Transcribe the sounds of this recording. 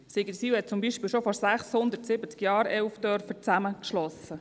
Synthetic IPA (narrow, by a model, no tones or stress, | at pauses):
siɡəɾsiːwhɛt̚t͡sʊmbiːʃpiːlʃofɔɾsæχshʊnd̪əɾtsɪbət͡skjɑːɾɛlfd̪œrfət͡sæməkʃlɔsə